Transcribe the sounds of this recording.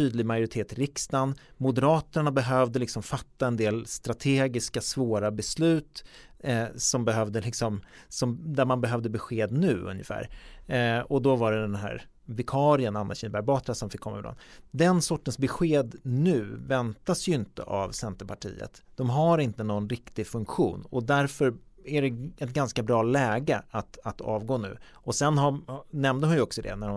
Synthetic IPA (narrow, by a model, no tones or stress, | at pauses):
t̪ʰyːd̪lɪɡmajʊɾɪt̪ʰeːt̪ɾɪkst̪anmʊd̪əɾɑːt̪əɳabɛɦœːvd̪əlɪksɔmfat̪ːaɛnd̪eːlst̪ɾat̪ʰeːɡɪskasvoːɾabɛslʉ̟ːt̪ | sɔmbɛɦœvd̪əlɪksɔm | sɔmd̪æɾmanbɛɦœvd̪əbɛɧeːd̪nʉ̟ːɵ̰njə̰fæ̰ːɾ | ɔd̪ɔvaɖɛd̪ɛnɦæ̰ːɾ | vɪkʰɑːɾɪənanːaɕɪnəbæɾbɑːt̪ɾasɔmfɪkʰːɔmːa̰ɪvɪd̪ɔ̰nd̪ɛnsɔʈːənsbɛɧeːd̪nʉ̟ːvɛnt̪asjɵɪnt̪ə̰ʔavsɛnt̪əpʰaʈʰḭːə̰t̪d̪̥ɔmɦaɾɪnt̪ənɔnɾɪkt̪ɪfɵŋkɧṵːnɔd̪æɾfœɾ | æɖɛɛt̪̚ɡanskabɾɑːlɛːɡəat̪at̪ʰɑ̰ːvɡoːnʉ̟̰ː | ɔsɛnɦanɛmnd̪əhʊnjəɔksɔd̪ɛ̰næɾʊ